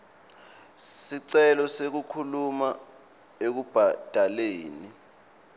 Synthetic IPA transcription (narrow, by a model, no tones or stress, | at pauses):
siǀɛlɔsek̬ukʰuluma | ek̬ub̥ʱad̥ʱaleːni